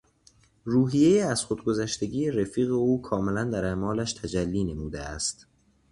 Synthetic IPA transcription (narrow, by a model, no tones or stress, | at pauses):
ruːɦijejeæz̥xod̪̚ɡozæʃt̪e̞ɟiːjeɾefiːɣe̞uːkʰɒːme̞lænd̪æɾemɒːlæʃt̪ʰæd͡ʒælːiːne̞muːd̪eæst̪